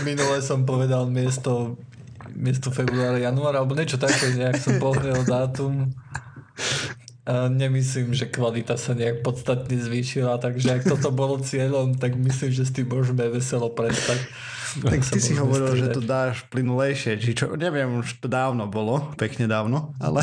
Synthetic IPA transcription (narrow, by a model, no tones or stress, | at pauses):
minulɛsɔmpɔʋɛd̪almɪɛst̪ɔ | mɪɛs̬t̪ɔfɛbɾuaːɾajanuaːɾalɛbɔɲɪɛt͡ʃɔt̪akɛːɲɛaksɔmpɔɦɲɛld̪aːt̪um | aɲɛmisliːmʒɛkʋalit̪asaɲɛak̚pɔt̪st̪at̪ɲɛzʋiːʃilat̪aɡʒɛak̚t̪ɔt̪ɔbɔlɔt͡sɪɛʎɔmt̪aɡmisliːmʒɛs̬t̪imːʊɔʒmɛʋɛsɛlɔpɾɛst̪ac̪ | aktsisiɦɔʋɔɾilʒɛt̪ɔd̪aːʃplinulɛjʃɪɛt͡ʃit͡ʃɔ̰ɲɛʋɪɛmuʃt̪ɔd̪aːʊnɔbɔlɔpɛkɲɛd̪aːʊnɔa̰lɛ